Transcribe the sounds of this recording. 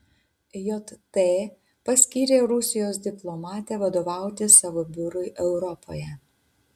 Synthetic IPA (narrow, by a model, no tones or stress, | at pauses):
jɔt̪t̪ːe | pɐsʲkʲiːɾʲeːɾʊsʲɪjoːs̬d̪ʲɪplˠɔmɑːt̪ʲɛːʋɐd̪oːʋɑˑʊt̪ʲɪsɑʋobʲʊɾʊɪʔɛʊɾɔpo̰ːjɛ